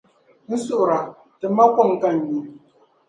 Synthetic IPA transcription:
n̩˦sʊ˦bɾa˨ | tɨ˨ma˦kɔ˦˨ŋ˦ka˦n˨˦ji˦

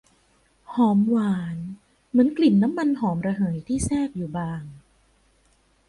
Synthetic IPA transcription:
hɔː˨˩˦mwaː˨˩˦n | mɯ˩˦ənkli˨˩nːa˦˥mːa˧nɦɔː˩˦mɾa˧ɦɤː˨˩˦jt̪ʰiː˥˩sɛː˥˩p̚juː˨˩baː˧ŋ

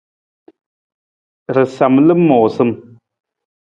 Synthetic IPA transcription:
ɾɨ˨sa˨mlə˦mɔ˨sɨ˦m

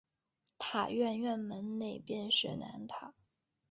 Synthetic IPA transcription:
t̪ʰa̰˨˩ɥɛ˥˧nɥɛ˥˩nmə˧˥nne˥˩ɪpjɛ˥˧nʂɻ̩˥˩na̰˧˥nt̪ʰa˨˩˦

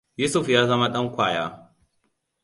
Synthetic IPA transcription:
juː˦sʊ˨ɸjaː˦zɐ˦ma˦ɗɐ˦ŋkʷaː˨ja̰ː˦

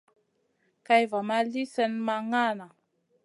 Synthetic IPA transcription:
ka˦jva˨ma˦li˦sə˦nma˧ŋa˦˨na˨

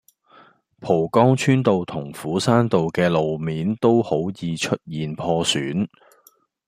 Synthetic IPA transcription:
pʰo˨˩wkɔː˥ŋt͡ʃʰyː˥nt̪o˨wt̪ʰʊ˨˩ŋfuː˨˥saː˥nt̪o˨wkɛː˧lo˨wmiː˨˥nt̪o˥who˨˥wjiː˨˧t͡ʃʰɵ˥t̚jiː˨npʰɔː˧syː˨˥n

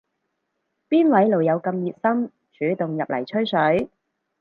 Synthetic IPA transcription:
piː˥nwɐ˨˥jlo˨˩wjɐ˨˧wkɐ˧mjiː˨t̚sɐ˥m | t͡ʃʰyː˨˥t̪ʊ˨ŋjɐ˨p̚lʔɐ̰˨˩jt͡ʃʰɵ˥ɥsɵ˨˥ɥ

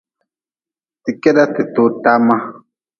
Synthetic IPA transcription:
ti˨kɛ˦ɗa˦te˨to˦ta˦ma˦

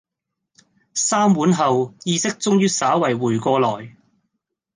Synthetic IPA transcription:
saː˥mwuː˨˥nɦɐ˨wjiː˧sɪ˥k̚t͡sʊ˥ŋjyː˥saː˨˥wɐ˨˩jwuː˨˩jkʷɔː˧lɔː˨˩j

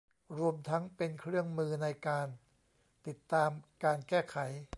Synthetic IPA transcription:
ɾu˧əmt̪ʰa˦˥ŋpe˧nkʰɾɯ˥˩əŋmɯː˧na˧jkaː˧n | t̪i˨˩t̪ːaː˧mkaː˧nkɛː˥˩kʰa˩˦j

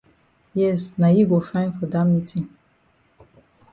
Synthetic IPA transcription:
jɛ˦sna˨ji˦ɡo˨fã˦ɪ̃nfɔ˨dã˦mi˦tʰi˨

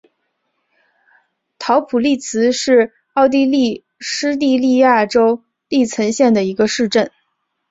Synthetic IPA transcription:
t̪ʰɑ˧˥ʊpʰu˨˩li˥˩t͡sʰɹ̩˧˥ʂɻ̩˥˩˧ | ɑ˥˧ʊt̪̬i˥˧li˥˩ | ʂɻ̩˥t̪i˥˧li˥˧ja˥˩ʈ͡ʂo˥ʊ | li˥˩t͡sʰə˧˥nɕjɛ˥˩nd̪ə˩i˧˥ɡə˧ʂɻ̩˥˧ʈ͡ʂə˥˩n

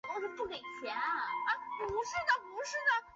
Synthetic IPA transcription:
o˥˩o˧˥pu˥˩ke˨˩ɪt͡ɕʰjɛ˧˥nə˧˥pu˧˥ʂɻ̩˥˩d̪ə˨pu˧˥ʂɻ̩˥˩d̪ə˩

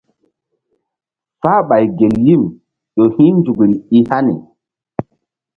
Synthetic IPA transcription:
faː˦ɓa˨jɡe˨lːi˦˨m | ɗo˨hĩ˦nd͡ʒu˨ɡi˨li˦ha˦nḭ˨

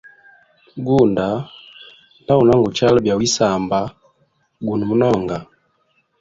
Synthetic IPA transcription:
ɡu˦nda˨ | nda˦u˨na˦ŋɡu˨t͡ʃa˦lu˦bja˨wi˦sa˨mba˨ | ɡu˨nu˨mu˦nɔ˦˨ŋɡa˨

